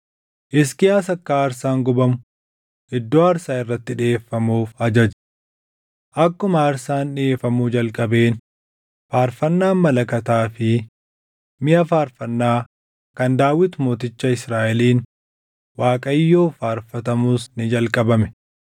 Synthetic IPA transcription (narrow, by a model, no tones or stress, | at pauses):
ʔɪs̬kɪjaːsɐkːaːɾsaːŋɡʊbɐmʊ | ʔɪd̪ːoːɐɾsaːɪrːɐt̪ːɪᶑeːfːɐmuːfɐd͡ʒɐd͡ʒ | ʔɐkːʊmɐːɾsaːnᶑɪeːfːɐmud͡ʒɐlkʼɐbe̞ːn | faːɾfɐnːaːmmːɐlɐkɐt̪aːfɪ | mɪjɐfaːɾfɐnːaː | kɐnd̪aːwɪt̪ʊmoːt̪ɪt͡ʃːɐɪsɾaːʔɛliːn | waːkʼɐjːoːfaːɾfɐt̪ɐmuːsnɪd͡ʒɐlkʼɐbɐmɛ̥